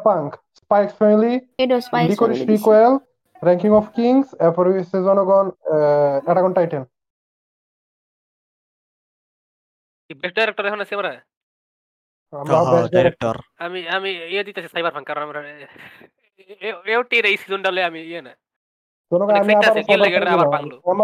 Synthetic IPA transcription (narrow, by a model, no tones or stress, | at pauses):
paŋkspajksfɛmiliedosɖikoɾiʃikoel | ɾɛŋkiŋɔfʰkiŋsɛpɔɾisezɔnɔɡɔn | ɛʈaɡɔnʈajʈen | kibɛsɖajɾek̚ʈɔɾɛkʰonasʰiamaɾa | amabɛsdaaɾek̚ʈɔɾamiamiied̪it̪asʰisajbaɾpʰaŋkaɾonamɾa | eewʈiɾejsizonɖaleamiiena | d͡ʒɔnɔɡɔnamiabaɾsajlbaɾaɾabɾaaŋoama